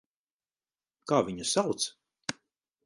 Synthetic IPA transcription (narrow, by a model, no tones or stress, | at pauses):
kaːviɲasawt̪s